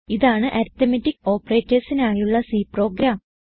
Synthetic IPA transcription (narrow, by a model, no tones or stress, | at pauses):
iðaːɳɨʔɐɾt̪ːɐmɐtːiko̞ːpːɐre̞ːtːɐɾsinaːjuɭːɐsiːpro̞ːɡɾaːm